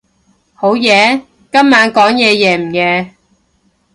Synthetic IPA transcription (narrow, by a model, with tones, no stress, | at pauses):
ho˨˥wjɛː˨˧ | kɐ˥mːaː˨˧˥nkɔː˨˥ŋjɛː˨˧jɛː˨˧m̩˨˩jɛː˨˧